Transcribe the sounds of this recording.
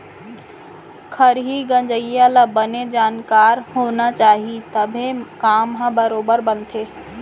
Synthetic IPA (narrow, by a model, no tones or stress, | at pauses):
kʰəɾɦiɡə̃nd͡ʒəjalabəned͡ʒaːnkaɾhonat͡ʃaːɦit̪əbʱekaːmɦə̃bəɾoːbəɾbənt̪ʰe